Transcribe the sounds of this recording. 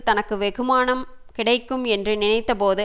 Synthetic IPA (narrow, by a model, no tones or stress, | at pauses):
t̪ɐnɐkːɯʋɛɣɯmaːnɐm | kɪɽɐɪkːɯmɛndrɯnɪnɐɪt̪ːɐpoːðɯ